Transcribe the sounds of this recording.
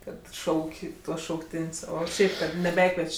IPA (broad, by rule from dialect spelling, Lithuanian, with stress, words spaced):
ˈkɐt ˈʃɐʊkʲ ˈtuɔs ʃɐʊkˈtʲɪnʲsʲ ˈoː ˈʃʲɛɪp ˈkɐt nʲɛˈbʲæːkʋʲiɛt͡ʃʲ